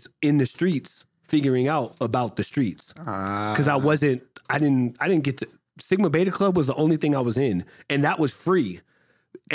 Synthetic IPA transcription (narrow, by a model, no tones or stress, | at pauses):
ɪ̃nðɨstɹ̥its | fɪɡjə˞ɪ̃ŋaʊɾəbaʊt̪̚ðɨstɹ̥itskʰʌzaɪwʌzɨ̃nt̚aɪɾɪdⁿn̩aɪɾɪdⁿn̩ɡ̥ɛtʰɨ | sɪɡ̚mɨ̃nb̥eɪɾɨkʰl̥ʌbwʌzðiʔõʊ̃nliθɪ̃ŋaɪwʌzɪ̃nɨ̃nðəʔwʔʌz̥fɹi